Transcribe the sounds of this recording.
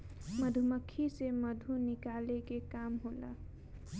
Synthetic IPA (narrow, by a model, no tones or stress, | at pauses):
məd̪ʱuməkʰːiseməd̪ʱunikalekekamɦola̰